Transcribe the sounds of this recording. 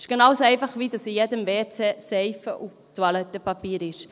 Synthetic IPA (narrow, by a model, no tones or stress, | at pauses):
ɪʃɡ̥enɑwsoɛɪfɑχʋidɑsijɛdəmveːt͡sɛsɛɪfəʔu | tuɑlɛt̪ːəpɑpiːɾɪʃ